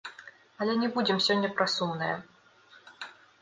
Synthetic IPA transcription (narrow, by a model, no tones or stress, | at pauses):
ɐlʲɛnʲɛbud͡zʲɪmsʲɔnʲːɐpɾasumnɨjɐ̰